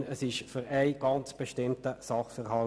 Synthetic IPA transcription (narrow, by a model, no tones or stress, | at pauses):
əsɪʃfyɾæɪɡ̥ɑnt͡sb̥ɛʃtɪmtəsɑχfɛʁɦɑ